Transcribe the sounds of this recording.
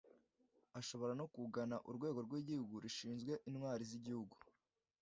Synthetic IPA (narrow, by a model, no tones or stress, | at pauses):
aʃo̞βo̞ɾanokuɡanaʔuɾɡwe̞ːɡo̞ɾɡwiːɟihuɡuɾiʃiːnzɡwe̞ʔinŋwaːɾiziɟihuɡu̥